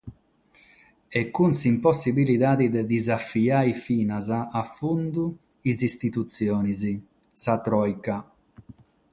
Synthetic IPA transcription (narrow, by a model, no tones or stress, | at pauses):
ɛkːunsimpɔsːibiliðaːd̪id̪ɛd̪izafiaːjfiːnazaːfːund̪u | izist̪it̪ut̪sːjɔːnizi | sat̪ɾɔjka